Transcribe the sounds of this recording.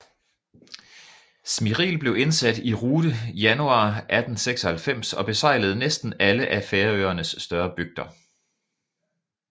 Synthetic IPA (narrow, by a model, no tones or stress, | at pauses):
smiʁḭːlb̥le̝ʊe̝nsæd̥iʁuːdəjænuɑ̰̈ːʔæd̥n̩seɡ̥sɒhælfem̰sɒ̽b̥e̝sɑ̈ɪ̰ləð̩ˠnesd̥n̩æləʔæfeːɐøːɐnəsːd̥ɶɐb̥yɡ̥̚d̥ɐ